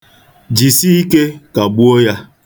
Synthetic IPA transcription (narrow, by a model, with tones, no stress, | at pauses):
d͡ʒi˨si˦i˦ke˦ka˨ɡ͡bu˦o˦ja˦